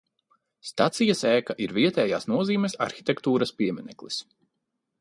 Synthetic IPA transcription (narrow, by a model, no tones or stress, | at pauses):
st̪at̪sijasɛːkaʔiɾviɛt̪ɛːjaːsnuɔziːmɛsa̰ɾxi̥t̪ʲɛkt̪uːɾɐspiɛmɛnɛ̰klˠis